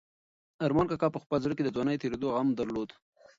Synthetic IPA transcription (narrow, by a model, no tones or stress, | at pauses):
aɾmɑnkakɑpəxpəlzɽəked̪əzwɑnəjt̪eɾed̪oɣamd̪aɾlod̪